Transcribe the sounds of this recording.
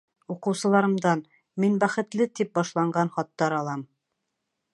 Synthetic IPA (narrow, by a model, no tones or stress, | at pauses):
uqɤ̆wsɤ̆lˠɑɾɤ̆md̪ɑn | minbæχɘ̆t̪lɘt̪ip̚bɒʃlˠɑɴɢɑnχɒt̪ːɑɾɒlˠɑm